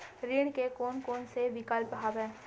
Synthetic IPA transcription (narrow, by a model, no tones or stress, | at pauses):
ɾiːɽ̃kekoːnkoːnsebɪkəlpəɦaːbɛ̃ː